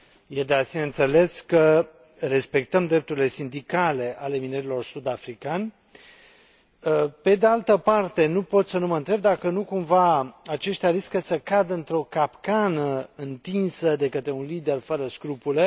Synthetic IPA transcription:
jed̪easineɨnt̪se̞le̞skə | re̞spe̞k̚t̪əmd̪ɾe̞p̚t̪uɾile̞sind̪ikale̞ʔale̞mineɾilo̞rsud̪afɾikanʲ | əpe̞d̪ealt̪əpart̪e̞nupo̞t̪sənuməɨnt̪ɾe̞b̚d̪akənukumvaat͡ʃe̞ʃt̪eaɾiskəsəkad̪əɨnt̪ɾo̞kapkanəɨnt̪insəd̪e̞kət̪ɾe̞unlid̪e̞rfəɾəskɾupule̞

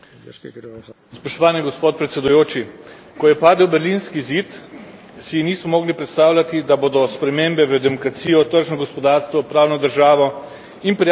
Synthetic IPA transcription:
spɔʃt̪ɔʋaːniɡɔspoːt̪̚pɾɛt̪sɛd̪ujoːt͡ʃi | kɔjɛpaːd̪əwbɛɾliːnskiziːt̪ | siniːsmɔmɔːɡlipɾɛt̪st̪aːwlʲat̪id̪aboːd̪ɔspɾɛmeːmbɛʋəd̪ɛmɔkɾat̪siːjɔt̪əɾʒnɔɡɔspɔd̪aːɾst̪ʋɔpɾaːwnɔd̪əɾʒaːʋɔ | inpɾi

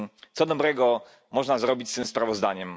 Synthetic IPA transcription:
t̪sɔd̪ɔbɾɛɡɔ | mɔʐnazɾɔbʲit͡ɕst̪ɘmspɾavɔzd̪aɲɛm

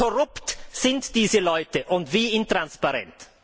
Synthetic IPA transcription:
ɔɾʊptsɪntd̥iːzəlɔʏtəʔʊntviːɪntʁ̥anspaɾɛ̰nt

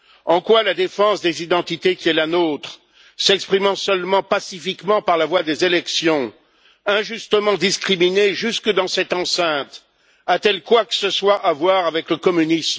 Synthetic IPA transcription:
ɑ̃kwalad̪efɑ̃sd̪ezid̪ɑ̃t̪it̪ekʲiɛlanot̪χ | sɛkspχimɑ̃sœlmɑ̃pasifikmɑ̃paʁlavwad̪ezelɛksjɔ̃ | ɛ̃ʒyst̪əmɑ̃d̪iskχimineʒyskəd̪ɑ̃sɛt̪ɑ̃sɛ̃t̪ | at̪ɛlkwakə̥səswaʔavwaʁavɛkləkɔmynism

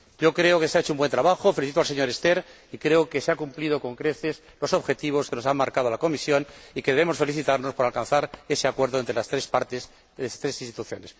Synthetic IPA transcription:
ɟ͡ʝo̞kɾe̞oke̞seaet͡ʃoumbwent̪ɾaβaxo̞feliθit̪oalse̞ɲo̞ɾe̞st̪e̞ɾ | ikɾe̞oke̞seakumplið̞o̞ko̞ŋkɾe̞θe̞s | lo̞so̞βxe̞t̪iβ̞o̞skeno̞samːaɾkað̞olako̞misjo̞nike̞ðeβe̞mo̞sfe̞liθit̪aɾno̞spo̞ɾalkanθaɾe̞se̞akwe̞ɾðoent̪ɾelast̪ɾe̞spaɾt̪es | et̪ɾe̞sinst̪it̪uθjo̞̰ne̞s

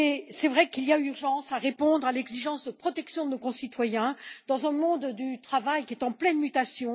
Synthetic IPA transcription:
esɛvʁɛkilijayʁʒɑ̃saʁepɔ̃d̪ʁalɛɡziʒɑ̃sd̪əpχɔt̪ɛksjɔ̃d̪ənokɔ̃sit̪wajɛ̃d̪̥ɑ̃zɛ̃mɔ̃d̪d̪yt̪χavajkʲiɛt̪ɑ̃plɛnmyt̪asjɔ̃

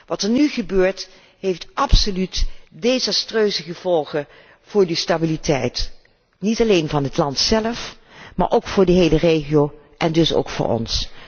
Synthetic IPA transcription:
ʋɑtəɹnyχəbøːɹt | ɦejftʔɑpsolytdezɑstrøːzəχəv̥ɔlˠχə | v̥ʊːɹdəstabilitɛjt | nitɑlejnvɑnɦətlɑntsɛləf | ma̰ːɹʔowkfʊːɹdəɦejlərejχiow | ʔɛndɵso̰wkfʊ̰ːɹɔ̰ns

